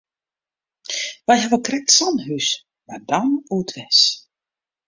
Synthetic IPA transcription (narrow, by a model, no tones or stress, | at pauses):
ʋɛjɦɛʋəkrɛk̚tsɔnɦys | mardɔnuətʰʋɛs